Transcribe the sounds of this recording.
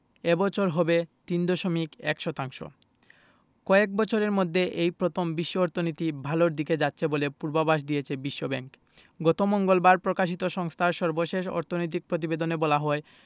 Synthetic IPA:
ebɔt͡ɕʰoɾɦɔbet̪ind̪ɔʃomikɛ̰kʃɔt̪aŋʃo̰ | kɔek̚bɔt͡ɕʰoɾeɾmod̪ʱːeʔejpɾot̪ʰombiʃːoɔɾt̪ʰonit̪ibʱaloɾd̪iked͡ʑatːɕʰebolepuɾbabaʃ̬d̪ijet͡ɕʰebiʃːobɛ̰ŋk | ɡɔt̪omɔŋɡolbaɾpɾokaʃ̬it̪oʃɔŋst̪ʰaɾʃɔɾboʃeʃɔ̰ɾt̪ʰonojt̪̬ik̚pɾot̪̬ibed̪onebɔlaɦɔe

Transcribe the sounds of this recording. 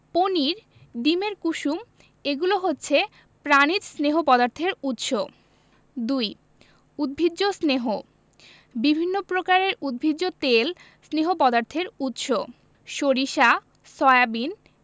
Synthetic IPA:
poniɾ | ɖimeɾkuʃum | eɡuloɦotːɕʰe | pɾanid͡ʑsneɦopɔd̪aɾt̪ʰeɾut̪ʃo | d̪uj | ud̪̚bʱid͡ʑːosneɦo | bibʱinːopɾokaɾeɾud̪̚bʱid͡ʑːot̪el | sneɦopɔd̪aɾt̪ʰeɾut̪ʃo | ʃoɾiʃa | sɔeabin

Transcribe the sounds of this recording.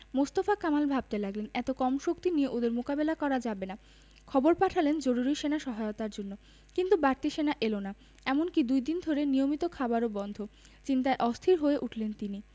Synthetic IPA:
most̪ofakamalbʱab̚t̪elaɡlenɛt̪okɔmʃokt̪inieʔod̪eɾmokabelakɔɾad͡ʑabena | kʰɔboɾpaʈʰalend͡ʑoɾuɾiʃenaʃɔɦaeot̪aɾd͡ʑonːo | kint̪ubaɾt̪iʃenaʔelona | ɛmonkid̪ujd̪ind̪ʱoɾenijomit̪okʰabaɾobɔnd̪ʱo | t͡ɕint̪aeʔɔst̪ʰiɾɦoeʔuʈʰlent̪ini

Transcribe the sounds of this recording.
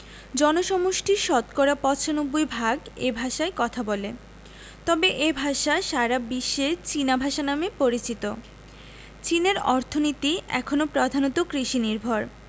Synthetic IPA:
d͡ʑɔnoʃɔmoʃʈʰiɾʃɔt̪koɾapɔt͡ɕʰanubːujbʱaɡebʱaʃaekɔt̪ʰabole | t̪ɔbeʔebʱaʃaʃaɾabiʃːet͡ɕinabʱaʃanamepoɾit͡ɕit̪o | t͡ɕineɾɔɾt̪ʰonit̪iɛ̰kʰonopɾod̪ʱanot̪okɾiʃiniɾbʱoɾ

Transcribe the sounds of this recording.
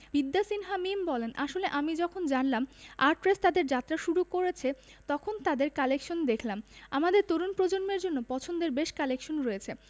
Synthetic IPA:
bid̪ːasinɦamimbɔlenʔaʃoleʔamid͡ʑɔkʰond͡ʑanlamaɾʈpɾest̪ad̪eɾd͡ʑat̪ːɾaʃuɾukoɾet͡ɕʰe | t̪ɔkʰont̪ad̪eɾkalekʃond̪ekʰlamamad̪eɾt̪oɾunpɾod͡ʑonmeɾd͡ʑonːopɔt͡ɕʰond̪eɾbeʃkalekʃonɾojet͡ɕʰe

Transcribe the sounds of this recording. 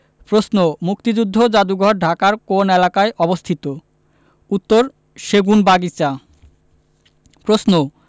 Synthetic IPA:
pɾosnomuk̚t̪id͡ʑud̪ʱːod͡ʑad̪uɡʱɔɾɖʱakaɾkonelakaeʔɔbost̪ʰit̪o | ut̪ːoɾ | ʃeɡunbaɡit͡ɕa | pɾosno

